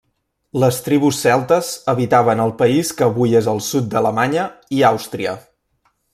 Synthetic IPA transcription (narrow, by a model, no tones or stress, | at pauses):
ləst̪ɾiβ̞usːɛlˠt̪əzəβit̪aβənəlˠpəiskəβujezəlˠsut̪̚d̪ələmaɲəiawst̪ɾiə̰